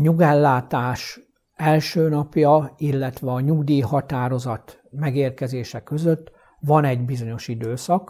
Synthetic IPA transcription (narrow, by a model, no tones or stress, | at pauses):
ɲuɡɛlːaːt̪aːʃ | ɛlʃøːnɒpjɒilːɛt̪ʋɛɒɲuɡd̪iːhɒt̪aːɾo̞zɒt̪ | mɛɡeːrkɛzeːʃɛkø̞zøt̪ː | ʋɒnɛɟbizo̞ɲo̞ʃid̪øːsɒk